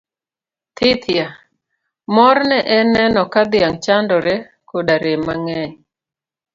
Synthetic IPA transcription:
t̪ʰɪt̪ʰja | mɔɾnɛʔɛnɛnɔkad̪ɪaŋt͡ʃandɔɾɛ | koɗaɾemaŋɛɲ

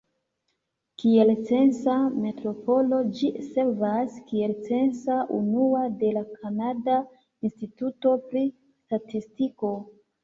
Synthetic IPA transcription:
kie̞lt͡se̞nsame̞tɾo̞po̞lo̞d͡ʒise̞ɾvaskie̞lt͡se̞nsaʔunuade̞lakʰanada | instituto̞pɾi | statistiko̞

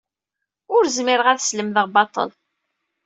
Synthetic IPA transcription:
ʊɾzmɪɾʁæθsləmðəʁbɑt̪ˤə̰l

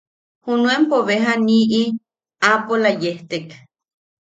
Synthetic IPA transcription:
hunuempoβeɦaniʔi | apolajeht̪ek

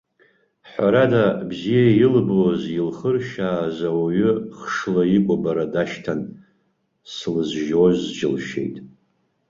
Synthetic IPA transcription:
ħʷaɾadabzijajɪlbozilχərʃaːzawaɥʏχʂlaikʷʼabaɾadaʃtʰan | slɨzʒozd͡ʒɪlʃe̞̰jtʼ

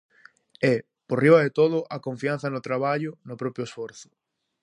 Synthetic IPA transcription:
ɛ | poriβɐðet̪oðʊʔakõɱfiãn̟θɐnʊt̪ɾaβ̞aʎʊnʊpɾɔpɾjoesfoɾθʊ̥

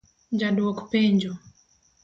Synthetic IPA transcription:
ɲd͡ʒaduɔkpɛɲd͡ʒɔ

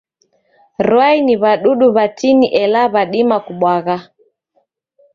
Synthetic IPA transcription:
ɾwainiβaɗuɗuβatiniʔɛlaβaɗimakuɓwaɣa

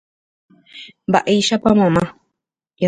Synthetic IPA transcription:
ba̰ʔiiʃapamãmã | ja

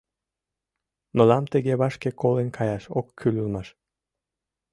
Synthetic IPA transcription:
nolɑmt̪eɣeβɑʃkekolenʲkʰɑjɑʃokːʰylʲylmɑʃ

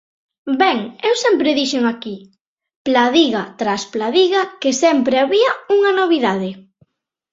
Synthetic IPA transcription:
bɛŋewsɛmpɾɪðiʃeŋaki | plaðiɣat̪ɾasplaðiɣakesɛmpɾeaβiɐuŋɐnoβ̞iðaðɪ

